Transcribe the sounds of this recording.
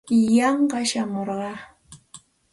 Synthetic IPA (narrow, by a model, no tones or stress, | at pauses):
jɑɴɢɑʃamoɾɢɑ